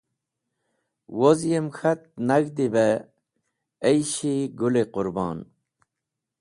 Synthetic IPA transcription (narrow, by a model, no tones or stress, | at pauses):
wozjemxʰat̪̚naɡd̪ibe | jɕiɡuleqʊɾbɑ̰ːn